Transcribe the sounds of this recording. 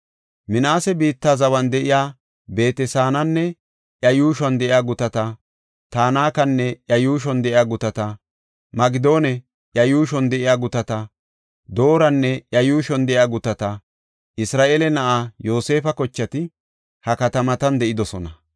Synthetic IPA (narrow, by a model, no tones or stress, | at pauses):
mɪnaːsɛbiːt̪ːaːzɐwɐnd̪ɛʔɪjaː | be̞ːt̪ɛsaːnɐnːɛ | ʔjɐjuːʃɔnd̪ɛʔɪjaːɡʊt̪ɐt̪ɐ | t̪aːnaːkɐnːɛʔjɐjuːʃ̬ɔnd̪ɛʔɪjaːɡʊt̪ɐt̪ɐ | mɐɡɪd̪o̞ːnɛ | ʔjɐjuːʃɔnd̪ɛʔɪjaːɡʊt̪ɐt̪ɐ | d̪o̞ːɾɐnːɛjɐjuːʃɔnd̪ɛʔɪjaːɡʊt̪ɐt̪ɐ | ʔɪsɾaːʔeːlɛnɐʔajo̞ːse̞ːfɐkɔt͡ʃːɐt̪ɪ | hɐkɐt̪ɐmɐt̪ɐnd̪ɛʔɪd̪ɔsɔnɐ